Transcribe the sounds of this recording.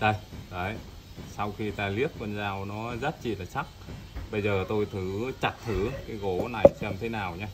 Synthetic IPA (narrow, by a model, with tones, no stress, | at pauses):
ɗə˧˩jɗə˨˦j | sa˧wxi˧t̪aː˧li˦˥ət̚kwə˧nzaː˧wnɔ˨˦zə˦˥t̚t͡ɕḭ˧˨˩laː˨˩sa˦˥k̚ɓə˧jzəː˨˩t̪o˧jt̪ʰɨ˨˦t͡ɕa˨˩t̚t̪ʰɨ˨˦kaː˨˦jɣo˨˦na˨˩jsɛ˧mt̪ʰe˨˦naː˨˩wɲaː˧